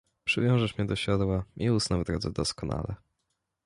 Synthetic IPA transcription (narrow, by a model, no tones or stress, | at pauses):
pʂɘvʲjɔ̃w̃ʐɛʂmɲɛd̪ɔɕad̪waʔiusnavd̪ɾɔd̪zɛd̪ɔskɔna̰lɛ